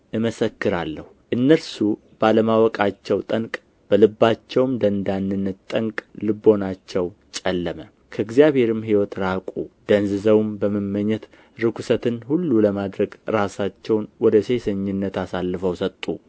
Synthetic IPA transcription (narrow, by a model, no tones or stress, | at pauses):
ʔɨməsəkːɨɾalːəhuʔɨnːəlsu | b̥aləmawɔkʼat͡ʃːɛwt̪ʼəŋkʼ | b̥əlɨbːat͡ʃːɛwmd̪ənd̪anːɨnːət̪t̪ʼːəŋkʼlɨbːo̞nat͡ʃːɛw | t͡ʃʼɛlːəmə | kʰəɨɡzjaβhe̞ɾɨmɦiwɔt̪ɾakʷʼud̪̥ənzɨzəwumbəməmːəɲːɛt̪ | ɾɨkʰusət̪ɨnhulːuləmad̪ɾəɡɾasat͡ʃːɛwnwɔd̪əse̞səɲːɪnːət̪asalːɨfəwsət̪ʼːu